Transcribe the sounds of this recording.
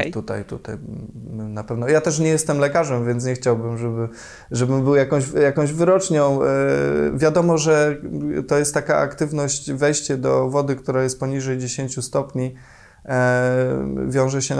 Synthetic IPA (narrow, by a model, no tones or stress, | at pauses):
t̪ut̪a̰jt̪ṵt̪aj | napɛvnɔjat̪ɛʂɲɛjɛst̪ɛmlɛkaʐɛmvʲjɛnt̪sɲɛxt͡ɕawbɘmʐɛbɘ | ʐɛbɘmbɘwjakɔ̃w̃ʑjakɔ̃w̃ʑvɘɾɔt͡ʂɲɔ̃w̃ | vʲjad̪ɔmɔʐɛt̪ɔjɛst̪ːakaʔa̰kt̪ɘvnɔɕt͡ɕvɛjɕt͡ɕɛd̪ɔvɔd̪ɘkt̪uɾajɛst̪̚pɔɲiʐɛjd͡ʑeɕeɲt͡ɕust̪ɔpɲi | vʲjɔ̃w̃ʐɛɕɛ